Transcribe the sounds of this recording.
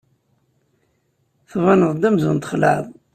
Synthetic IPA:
θvˤɑnəðˤd̪æmzunt̪χla̰ðˤ

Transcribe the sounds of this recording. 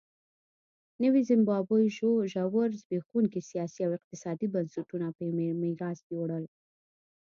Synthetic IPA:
nəwizɪmbɑbəjʒoʒawəɾzbexwuŋkisijɑsiawɪq̚t̪ɪsɑd̪ibansuʈunapəjmemiɾɑzɡeowɽəl

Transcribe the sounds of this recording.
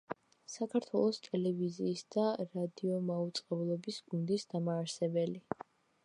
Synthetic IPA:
sakʰaɾt̪ʰwɛlˠɔst̪ʼɛlɛviziːsd̪̥aɾad̪iɔmaut̪sʼqʼɛblˠɔbisɡund̪isd̪amaːɾsɛbɛli

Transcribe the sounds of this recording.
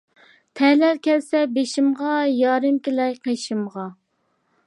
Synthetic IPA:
t̪ʰɛhlæɾkʲɛlsɛbeʃɪmʁɑjɑːɾɨmkʲilɛjqʰeʃɪmʁɑ

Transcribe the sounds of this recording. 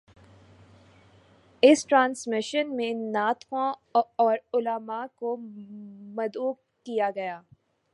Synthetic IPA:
ɪsʈɾãːnsmɪʃənmẽnaːt̪kõɔːɾʊləmako | mɐd̪uː | kijaɡɐjaː

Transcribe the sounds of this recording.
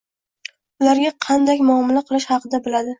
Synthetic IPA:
ʊlaɾɡʲaqʰɑnd̪akʲmʊɒmɪlaqʰɨlˠɪʃhɑqɨd̪abɪlad̪ɪ

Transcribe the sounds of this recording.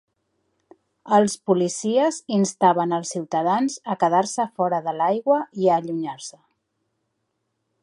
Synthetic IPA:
əlˠspulisiəzinst̪aβənəlˠsiwt̪əð̞anzəkəðaɾsəfɔɾəðəlajɣwəiəʎuɲaɾsə

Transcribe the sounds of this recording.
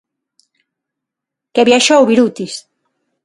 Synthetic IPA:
keβjaʃowβiɾut̪is

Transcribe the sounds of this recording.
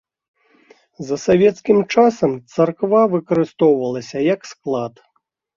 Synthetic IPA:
zɐsavʲɛt̪skʲimt͡ʂasɐmt̪sarkvavɨkɐɾɨst̪ɔwvɐlˠɐsʲɐjɐksklˠat̪

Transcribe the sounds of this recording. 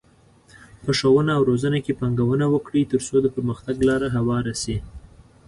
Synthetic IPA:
pəʂowənaːwɾozənakepɑŋɡawənawəkɽit̪əɾsod̪əpəɾməxt̪aɡlɑɾaɦawɑɾase

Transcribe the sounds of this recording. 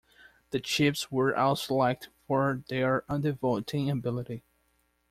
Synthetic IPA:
ðɨt͡ʃʰɪpswə˞ʔa̰ʊslak̚tfəɹðə˞ʌ̃ndɨvolˠtʰɪ̃ŋɨbɪlˠəɾi

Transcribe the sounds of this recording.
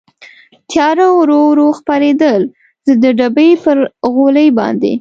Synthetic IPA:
t̪jɑɾawɾoɾoxpɑɾed̪əl | zəd̪əɖabəjpəɾɣoləjbɑ̰nd̪ḛ

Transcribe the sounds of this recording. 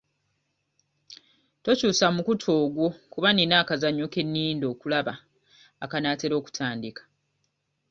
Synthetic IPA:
to̞cuːsamukutʰo̞ːɡwo̞kuβaninaːkazaɲːo̞ke̞nːiːndo̞ːkulaβaː | kanaːte̞ɾo̞ːku̥tʰaːndikḁ

